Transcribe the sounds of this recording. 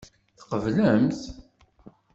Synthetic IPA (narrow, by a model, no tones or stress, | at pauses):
θqəvləmθ